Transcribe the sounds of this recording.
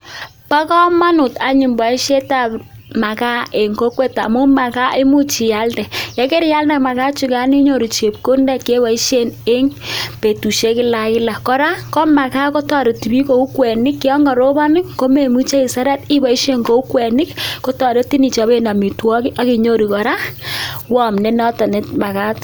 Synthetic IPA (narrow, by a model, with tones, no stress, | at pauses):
pa˦kɔ˦ma˦nʊ˨ta˨ɲi˨mba˨i˦ʃe˦ta˨p | ma˨ka˦e˨ŋko˦kwe˦ta̰˨mʊ˦ma˨ka˦ʔɪ˦mu˦t͡ʃi˨ja˦ldɛ˨jɛ˦ke˦ɾja˦ldɛ˨ma˨ka˦t͡ʃu˦ka˦ni˦ɲo˨ɾi˨t͡ʃe˨p̚ko˦ndɛ˦˨ke˦ba˨i˦ʃe˦˨ne˦ŋpe˨tu˨ʃe˦kɪ˦la˨kɪ˦la˨kɔ˦ɾa˦kɔ˦ma˨ka˦ko˦tɔ˨ɾe˨ti˨bi˦ko˨u˦kwɛ˨nɪ˦kːɪ˦ɔ˦ŋɡɔ˨ɾo˦ba˦nɪ˦kko˦me˨mu˦t͡ʃe˦i˨sa˦ɾɛ˦ti˦ba˨i˦ʃe˦ŋko˦u˦kwɛ˨nɪ˦kko˦tɔ˨ɾe˦ti˦ni˨t͡ʃɔ˨be˦na˨mi˨twɔ˦ki˦ʔa˦ki˨ɲo˦ɾi˨kɔ˨ɾa˦wɔ˦˨mnɛ˦nɔ˦tɔ˨ne˦tma˨ka˦t